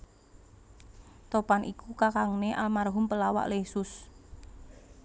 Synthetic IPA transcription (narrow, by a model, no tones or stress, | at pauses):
t̪opanʔikukakaŋneʔalmarɦʊmpəlawa̰ʔlesʊs